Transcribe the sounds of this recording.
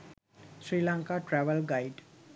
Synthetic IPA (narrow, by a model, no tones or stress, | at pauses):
sɾiːlãŋkaʈɾɛʋəlɡaɪɖ